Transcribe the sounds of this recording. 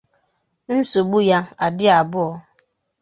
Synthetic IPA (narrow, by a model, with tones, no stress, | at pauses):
n̩˦so˨ɡ͡bu˦ja˦a˨dɪ˦a˨bʊ˦ɔ˦